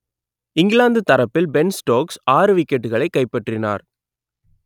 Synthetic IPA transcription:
ɪŋɡɪɭaːnd̪ɯt̪ːɐɾɐpːɪlbɛnsʈoːksaːɾɯʋɪkːɛʈːɯɣɐɭɐɪkːɐɪpːɐʈrɪna̰ːɾ

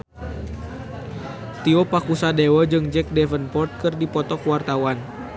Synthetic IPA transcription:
t̪iopakusadewəd͡ʒɨŋd͡ʒɛk̚dɛfənpɔrt̪̚kɨrdipɔt̪ɔkwart̪awan

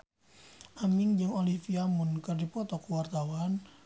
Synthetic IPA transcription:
ʔamɪŋd͡ʒɨŋolifiamʊnkərdipɔt̪ɔkəwart̪awan

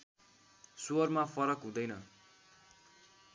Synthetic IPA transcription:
suʌrmapʰʌɾʌkɦũd̪ʌjnʌ

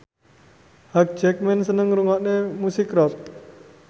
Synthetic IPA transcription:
hak̚t͡ʃɛk̚mɛnsənəŋɾuŋɔʔnemusikɾɔt̪̚

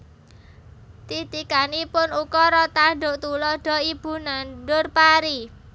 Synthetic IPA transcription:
t̪it̪ikanipʊnukɔɾɔt̪aɖo̤t̪ulɔɖ̥ɔ̤ib̥ṳnanɖʊrpaɾi

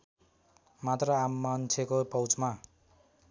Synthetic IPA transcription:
mat̪rʌamːant͡sʰjekopʌwt͡sma

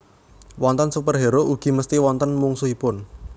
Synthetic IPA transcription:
wɔnt̪ənsupərɦeɾoʔuɡ̥i̤məst̪iwɔnt̪ənmuŋsuipʊn

